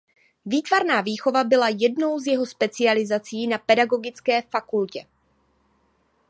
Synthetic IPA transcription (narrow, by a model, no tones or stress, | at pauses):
viːt̪vaɾnaːviːxo̞vabɪlajɛdno̞wzjɛɦo̞spɛt͡sɪalɪzat͡siːnapɛdaɡo̞ɡɪt͡skɛːfakulcɛ